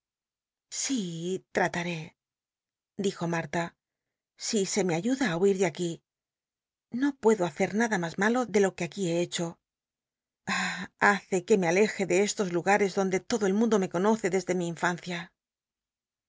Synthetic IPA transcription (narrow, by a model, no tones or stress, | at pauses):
sit̪ɾat̪aɾe̞ | d̪ixo̞maɾt̪a | sise̞me̞aʝuðaːuiɾðeaki | no̞pwe̞ðo̞aθe̞ɾnaðamazmalo̞ðe̞lo̞keakie̞et͡ʃo̞ | aaθe̞ke̞me̞ale̞xe̞ðe̞e̞st̪o̞zluɣaɾe̞zðo̞nd̪e̞t̪o̞ðo̞elmũnd̪o̞me̞ko̞no̞θe̞ðe̞zðe̞miːɱfan̟θja